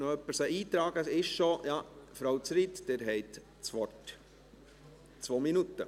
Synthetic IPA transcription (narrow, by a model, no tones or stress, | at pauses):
nɔœpːəɾsəʔiːt̪ɾɑːɡəɪʃʃojɑːfɾoʊt͡sɾit̪d̥ɛɾɦɛɪt | t͡sʋɔt | t͡sʋoːminut̪ːə